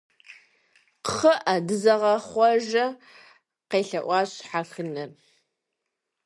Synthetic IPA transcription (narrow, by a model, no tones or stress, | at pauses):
qχəʔadɨzɐʁɐχʷɔʒɐ | qeːɬɐʔʷɑːɕħaxɨnɐr